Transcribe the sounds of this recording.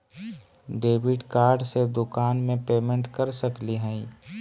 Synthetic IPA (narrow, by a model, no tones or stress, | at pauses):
ɖeːʋɪɖkaːɾɖsed̪ʊkaːnmẽpeːmẽɳʈkəɾsəkliɦɛ̃i